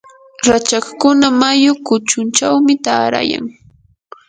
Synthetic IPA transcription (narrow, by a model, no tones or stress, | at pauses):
ɾat͡ʃakkʊnamajʊkʊt͡ʃʊnt͡ʃawmɪt̪aːɾa̰ja̰ŋ